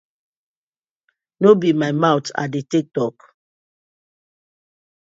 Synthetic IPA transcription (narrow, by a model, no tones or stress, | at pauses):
nobimaɪmawta̰detik̚tɔk